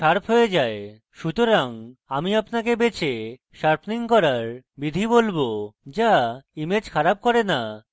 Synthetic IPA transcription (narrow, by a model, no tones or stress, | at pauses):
ʃaɾpʰɦoed͡ʑae | ʃut̪oɾaŋamiapnakebet͡ɕʰe | ʃaɾpʰniŋkɔɾaɾbid̪ʱibolbod͡ʑaimed͡ʑkʰaɾab̚kɔɾena